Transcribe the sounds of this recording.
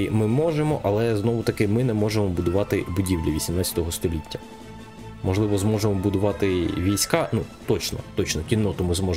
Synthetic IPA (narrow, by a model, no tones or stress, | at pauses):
mɪmɔʒemɔʔɐlˠɛznɔʋʊt̪ɐkɪmɪnɛmɔʒemɔbʊd̪ʊʋɑt̪ɪbʊdʲiwlʲiʋʲisʲimnɑtʲt͡sʲɐ̥t̪ɔɦɔst̪ɔlʲitʲːɐ | mɔʒlˠɪʋɔzmɔʒemɔbʊd̪ʊʋɑt̪ɪʋʲijsʲkɑnut̪ɔt͡ʃnɔ̰t̪ɔt͡ʃnɔkʲinːɔt̪ʊmɪzmɔ